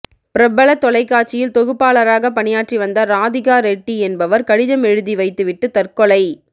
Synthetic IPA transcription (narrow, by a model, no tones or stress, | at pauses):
pɪɾɐbɐɭɐt̪ːɔlɐɪkːaːʈt͡ʃːɪjɪlt̪ɔɣɯpːaːlɐɾaːɣɐpɐɳɪjaːʈriʋɐnd̪ɐɾaːðɪɣaːɾɛʈːiɛnbɐʋɐɾkɐɽɪðɐmɛɻɯðiʋɐɪt̪ːɯʋɪʈːɯt̪ɐrkɔɭɐɪ